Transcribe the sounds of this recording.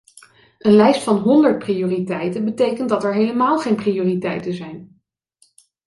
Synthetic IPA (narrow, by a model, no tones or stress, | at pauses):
ʔənlɛjstfɑnɦɔndəɹt̚prioːritɛjtənbətejkəntdɑtɛɹɦejləmaːlˠχejnprijoːritɛjtənzɛjn